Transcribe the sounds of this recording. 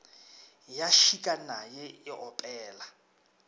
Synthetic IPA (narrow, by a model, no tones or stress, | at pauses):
jaʃikʼanajɛɪʔɔpʼɛːla